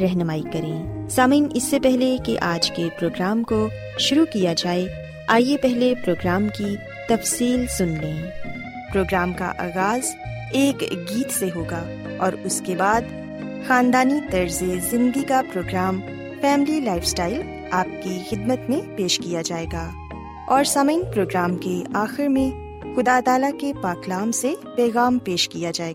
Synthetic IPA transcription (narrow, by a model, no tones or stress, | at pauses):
ɾɛɦnəmaːikɐɾẽːsaːmĩːnɪsːepɛɦlekeʔaːd͡ʒkepɾoːɡɾaːmko | ʃʊɾukijad͡ʒaːe | aːjepɛɦlepɾoːɡɾaːmki | t̪ɐfsiːlsʊnlẽː | pɾoːɡɾaːmka̰ʔa̰ːɣaːz | eːkɡiːt̪seɦoːɡa | ɔːɾʊskebaːd̪ | xaːnd̪aːnit̪ɐɾzezɪ̃nɡ̪ikapɾoːɡɾaːm | fɛːmɪlilaːɪfsʈaːɪl | aːp̚kixɪd̪mət̪mẽpeːʃkijad͡ʒaːeːɡaː | ɔːɾsɐməinpɾoːɡɾaːmkeaːxɪɾmẽ | xʊd̪aːt̪aːlakepaːklaːmsepɛːɣaːmpeːʃkijad͡ʒaːeːɡaa